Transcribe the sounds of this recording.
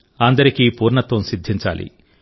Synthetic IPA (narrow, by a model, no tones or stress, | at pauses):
ɐnd̪ɐɾikipuːɾɳɐt̪ʋɐmsid̪ʱːiɲt͡ʃa̰ːlḭ